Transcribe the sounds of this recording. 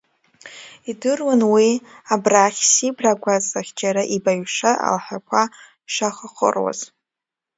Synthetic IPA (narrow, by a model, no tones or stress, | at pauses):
idɨrwanwiabraχʲsibraɡʷazaχʲd͡ʒaɾaʔibaɥʂaa̰lħakʷʰa | ʃaχəχə̰rwa̰z̥